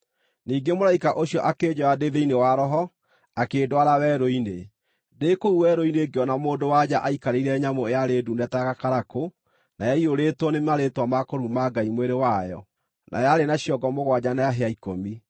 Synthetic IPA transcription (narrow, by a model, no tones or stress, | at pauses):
niːɡemoɾaikaʔoɕjɔʔakeːd͡ʑɔɾadeðeinewaɾɔɦɔ | akeːdwaɾawɛɾoine | dekouwɛɾoineɡeɔnamoːndowad͡ʑaʔaikaɾeiɾɛɲamoejaɾeːdunɛtaɣakaɾako | najaioɾetwɔnemaɾetwamakoɾumaɡaimweɾewajɔ̰ | nʔa̰jaɾenaɕiɔɡɔmoɣwad͡ʑanajaɦeaikomi